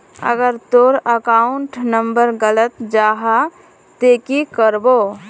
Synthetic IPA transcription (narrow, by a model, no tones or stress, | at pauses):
ə̰ɡəɾt̪oɾəkaʊɳʈnəmbəɾɡələt̪d͡ʒaɦa | t̪eːkikəɾbo